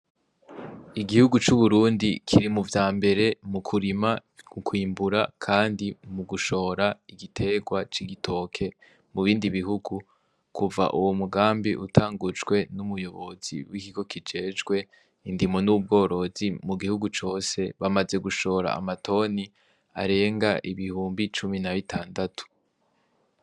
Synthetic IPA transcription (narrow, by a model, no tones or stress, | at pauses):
iɡihuɡut͡ʃuβuɾuːndikʰiɾimuvjaːmbe̞ɾe̞mukʰuɾimaukʰwiːmbuɾakʰaːndimuɡuʃo̞ːɾaiɡitʰe̞ɡwat͡ʃiɡitʰo̞kʰe̞ | muβiːndiβiɦuɡu | kuva̰ʔuwomuɡaːmbiʔutʰaːŋɡud͡ʒɡwe̞numujo̞βo̞z̥ḭwikiɡo̞kid͡ʒe̞ːd͡ʒɡwe̞ | indimonub̚ɡo̞ːɾo̞zimuɡihuɡut͡ʃo̞ːse̞βamaze̞ɡuʃo̞ːɾa̰ːmatʰo̞ni | a̰ɾe̞ːŋɡaʔiβihuːmbit͡ʃuminaβitʰaːndatʰu̥